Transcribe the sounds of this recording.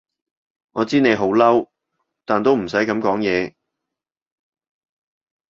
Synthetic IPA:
ŋɔː˨˧t͡siː˥ne˨˧jɦo˨˥wlɐ˥w | t̪aː˨nt̪o˥wm̩˨˩sɐ˨˥jkɐ˨˥mkɔː˨˥ŋjɛː˨˧

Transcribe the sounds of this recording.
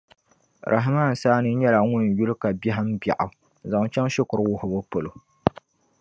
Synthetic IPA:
ɾʔa̰˨ɦa˨maː˦˨n̩˨saː˦nɨ˦ɲɛ˦la˨ŋʊ˦n˨ju˦lɨ˦ka˨ba˦ɦɨ˦m˦bja˨ʔʊ˨ | za˨ŋ˦t͡ʃɛ˦ŋʃɪ˦kʊ˨ɾɨ˦wʊ˦hʊ˨bʊ˦po˨lo˨

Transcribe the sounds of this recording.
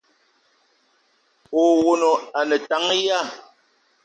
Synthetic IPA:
o˨wo˨no˨a˨nə˨ta˨˦ŋ˦ja˦˨

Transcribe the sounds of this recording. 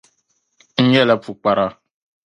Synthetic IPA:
ŋ̩˦ɲɛ˦la˦pu˨k͡pa˨ɾa˦

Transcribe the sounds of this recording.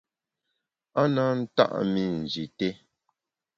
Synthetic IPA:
a˦na˦n̩˦ta̰˦ʔmi˦n̩˨d͡ʒi˨te˦

